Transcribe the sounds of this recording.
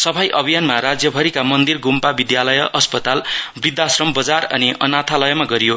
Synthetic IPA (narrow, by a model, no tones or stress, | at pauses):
sʌbʰʱajʔʌbʱijanmaɾad͡zjʌbʱʌɾikamʌnd̪irɡumpabid̪jalʌjʌʔʌspʌt̪albrid̪ʱːasrʌmbʌd͡zarʌ̰niʌnat̪ʰalʌjʌmaɡʌɾijo